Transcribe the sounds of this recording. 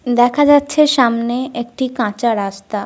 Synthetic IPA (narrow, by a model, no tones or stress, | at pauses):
d̪ɛkʰad͡ʑatːɕʰeʃamneek̚ʈikãt͡ɕaɾast̪a